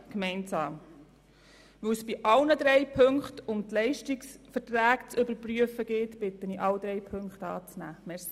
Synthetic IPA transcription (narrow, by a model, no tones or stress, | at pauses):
kmɛɪnsɑːm | ʋəwsb̥iʔɑlnəd̪ɾɛɪpʰɵŋχtʊmtlɛɪʃtiksfətræːkt͡sʏbəɾpryəfəɡ̥ɪtb̥ɪtəniʔɑwd̥̪ɾɛjpʰɵŋkχtɑ̰ːt͡snæːmɛɾsi